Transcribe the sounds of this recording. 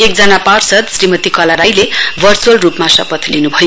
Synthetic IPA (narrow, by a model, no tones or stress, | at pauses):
ek̚d͡zanaparsʌd̪srimʌt̪ikʌlaɾajlebʱʌrt͡suʌlrupmasʌ̰pʌt̪linubʱʌjo